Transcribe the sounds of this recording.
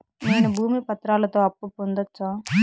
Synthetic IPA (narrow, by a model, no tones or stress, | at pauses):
neːnubʱuːmipɐt̪ɾaːlɐt̪o̞ːɐpːupond̪ɐt͡ʃːaː